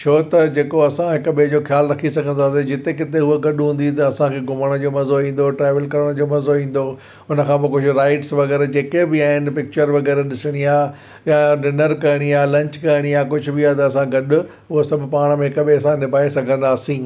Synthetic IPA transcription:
t͡ɕʰoːt̪ɐd͡ʑeːkoɐsãɦɪkʊɓɪɦd͡ʑoːxjaːlɾɐkʰisɐɡʱə̃nd̪aːsed͡ʑɪt̪ekɪt̪eɦʊɦoɡɐɗɦũːn̆d̪it̪ɐɐsãkʰeːɡʱʊməɽ̃əd͡ʑoːmɐzoĩːn̆d̪oʈɾaːʋəlkɐɾəɽ̃d͡ʑoːmɐzoĩːn̆d̪o | ʊnə̆kʰãːpɐkʊd͡ʑʱʊɾaːɪʈsʋɐɣɛːɾd͡ʑeːkebɪaːɦɪnɪ̆pɪk̚t͡ɕəɾʋɐɣɛːɾɗɪsɪɽ̃iaː | jaɖɪnəɾkɐɽ̃iaːlɐ̃ɲt͡ɕkɐɪɽ̃iaːkʊd͡ʑʱʊ̆bɪaːt̪ɐːsãɡɐɗʊ | ʊɦosɐbʱʊpaːɽ̃mẽɦɪkɐɓeɐsãnɪbʱaːesɐɡʱə̃nd̪aːsĩː

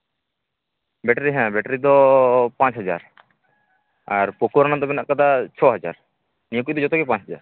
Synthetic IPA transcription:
bɛʈɾiɦɛ̃bɛʈɾid̪ɔpãːt͡ʃɦəd͡ʒaːɾ | aɾpokoɾanad̪ɔbɛnaʔkad̪at͡ʃʰɔɦəd͡ʒa̰ːɾ | nijok̬ud̪ɔd͡ʒɔt̪ɔkɛpãt͡ʃɦəd͡ʒa̰ɾ

